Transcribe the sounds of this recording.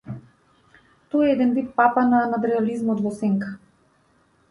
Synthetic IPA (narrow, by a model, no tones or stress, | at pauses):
t̪ɔjɛɛd̪ɛnbit̪papananat̪ɾɛalizmɔt̪vɔsɛŋkḁ